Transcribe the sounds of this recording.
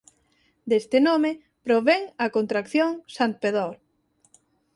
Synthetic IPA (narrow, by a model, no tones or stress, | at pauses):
d̪est̪ɪnome | pɾoβeŋɐkont̪ɾakθjoŋsant̪̚peðɔɾ